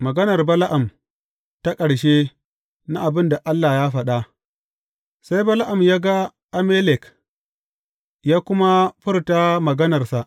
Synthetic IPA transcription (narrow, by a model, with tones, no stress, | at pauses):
mɐ˨ɡɐ˦nɐ˨rbɐ˦la˦ʔa˨m | ta˦kʼɐ˨ɽʃe˦ | na˦ʔa˨bɪ˦nda˨ʔa˦lːaː˨jaː˦ɸɐ˦ɗa˦ | sa˦jbɐ˦la˦ʔa˨mjaː˦ɡa˦ | ʔa˦me˦lɛ˨k | jaː˦kʷʊ˦ma˦ɸɪ˦rta˦mɐ˨ɡɐ˦nɐ˨rsa˨ʔ